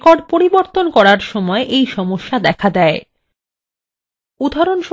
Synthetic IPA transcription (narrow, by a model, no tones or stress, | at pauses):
kɔɖ̚poɾiboɾt̪onkɔɾaɾʃɔmɔeʔejʃɔmoʃːad̪ɛkʰad̪ɛe | ud̪ʱaɾonʃ